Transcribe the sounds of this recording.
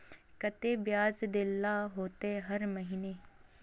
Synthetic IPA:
kɐt̪eːbjaːzd̪ɪlːaɦoːt̪eɦɐɾməɦiːneː

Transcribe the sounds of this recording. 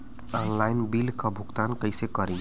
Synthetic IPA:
ɔnlaɪnbilkabʱʊɡt̪aːnkəɪsekəɾẽ

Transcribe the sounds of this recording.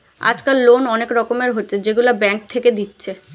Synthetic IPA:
a̰d͡ʑkalːonɔnekɾɔkomeɾɦotːɕʰed͡ʑeɡulabɛŋk̚t̪ʰeked̪itːɕʰe

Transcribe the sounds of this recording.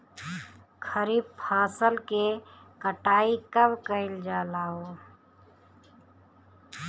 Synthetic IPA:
kʰəɾiːb̚pʰãːsəlkekəʈaːikəbkəɪld͡ʒaːlaɦoː

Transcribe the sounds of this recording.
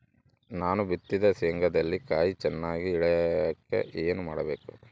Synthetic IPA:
naːnubit̪ːid̪ɐseːŋɡʱɐd̪ɐlːikaːjit͡ʃɛnːaːɡiːɭɛkːe̞̰ʔeːnumaːɽɐbeːku

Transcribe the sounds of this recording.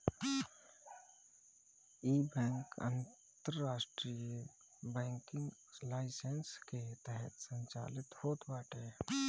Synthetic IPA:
iːbɛ̃ːŋkə̰̃n | t̪əɾːaːsʈɾijə | bɛ̃ːŋkɪ̃ŋɡlaːɪsensket̪ɛɦɛt̪sə̃ɲt͡ʃa̰ːlɪt̪hoːt̪baːʈeː

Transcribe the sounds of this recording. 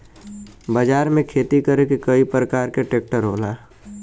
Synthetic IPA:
bəd͡ʒaːɾmẽkʰeːt̪ikəɾekekəipɾəkaːɾkeʈeːk̚ʈəɾɦoːlaː

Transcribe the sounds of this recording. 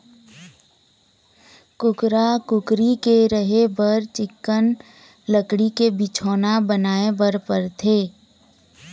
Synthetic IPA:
kʊkɾakʊkɾikeɾəɦebəɾt͡ʃɪkːən | ləkɽikebɪt͡ʃʰoːnabənaːebəɾpəɾt̪ʰeː

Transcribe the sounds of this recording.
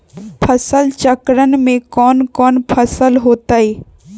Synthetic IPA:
pʰəsəlt͡ʃəkɾənmẽkɔːnkɔːnpʰəsəlɦoːt̪aiː

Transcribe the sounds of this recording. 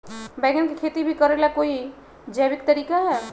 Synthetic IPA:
bɛɡənkikʰet̪ibʱikəɾelakoːi | d͡ʒəjbɪkt̪əɾiːkaɦɛ

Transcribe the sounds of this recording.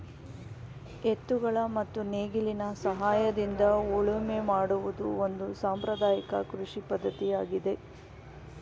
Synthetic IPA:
et̪ːuɡɐɭɐmɐt̪ːuneːɡilinɐsɐɦaːjɐd̪ind̪ɐuɭumemaːɽuʋud̪uond̪usaːmpɾɐd̪aːjikɐ̰kɾuʂipɐd̪ːɐt̪ijaːɡid̪e̞

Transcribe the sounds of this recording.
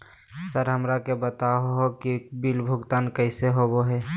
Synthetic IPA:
səɾɦəmɾakebət̪aɦoɦokibilbʱʊɡt̪aːnkəɪseɦoboɦɛː

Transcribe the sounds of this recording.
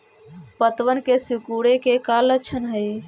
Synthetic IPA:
pət̪ʋənkesikuɽekekalət͡ʃʰənɦəj

